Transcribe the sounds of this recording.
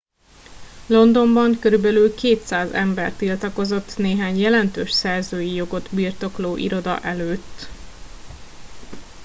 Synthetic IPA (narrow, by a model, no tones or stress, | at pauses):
lo̞nd̪o̞mbɒŋkøɾybɛlylkeːt̪saːzɛ̰mbɛrt̪ilt̪ɒko̞zo̞t̪ːneːɦaːɲjɛlɛnt̪øːʃsɛrzøːjijo̞ɡo̞d̪birt̪o̞kloːʔḭɾo̞d̪ɒ̰ʔɛløːt̪ː